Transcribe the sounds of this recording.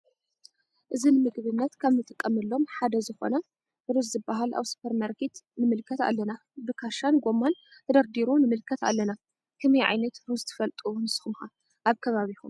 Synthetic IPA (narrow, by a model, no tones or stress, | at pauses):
ʔɨzinɨmɨɡβɨnːɐt̪kʰaβnɨt̪ʼɨkʼːɐmɨlːo̞mħad̪ɐzɨxo̞̰nɐ | ɾuzzɨbːaɦalʔa̰βsu̥pʰɐɾmaɾkʰet̪nɨmɨlkʰɐt̪a̰lːɐna | bɨkʰaʃanɡo̞manʰ | ɐd̪ɐɾd̪iɾonɨmɨlkʰɐt̪a̰lːɐna | kʰɨmejʕa̰jnɐt̪ɾuzt̪ʰɨ̥fɐlt̪ʼuunɨsxumxa | ʔaβkʰɐβaβixum